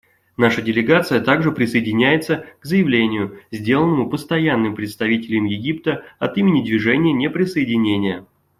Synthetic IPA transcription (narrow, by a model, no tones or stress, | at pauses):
naʂədʲɪlʲɪɡat̪sɨjət̪aɡʐɨpɾʲɪsəɪdʲɪnʲæjɪt̪səɡzəjɪvlʲenʲɪjʊzʲdʲe̞lˠənːəmʊpəst̪ɐjanːɨmpɾʲɪt̪st̪ɐvʲitʲɪlʲɪmjɪɡʲipt̪əɐt̪imʲɪnʲɪd̪vʲɪʐɛnʲɪjənʲepɾʲɪsəjɪdʲɪnʲenʲɪjə